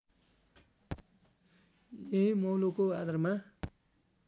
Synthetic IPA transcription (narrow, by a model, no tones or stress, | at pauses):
jeɦĩmowlokoad̪arma